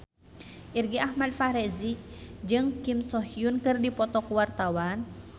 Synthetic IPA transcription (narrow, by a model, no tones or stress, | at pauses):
ʔirɡiʔahmad̚faɾɛzik̚d͡ʒɨŋkimsɔɦijunkɨrdipɔt̪ɔkwart̪awan